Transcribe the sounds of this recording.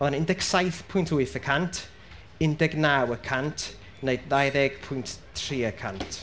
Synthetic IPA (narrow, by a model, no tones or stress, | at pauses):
vɔðanɪndɛɡ̥sajθpʰʊjntʰʊɨθəkʰantʰ | ɪndɛɡnawəkʰantʰ | nejdðajðɛɡ̥pʰʊjnttʰriːəkʰantʰ